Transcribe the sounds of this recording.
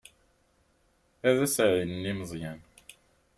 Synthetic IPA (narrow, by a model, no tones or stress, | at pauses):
æðæsʕinniməzˤjæn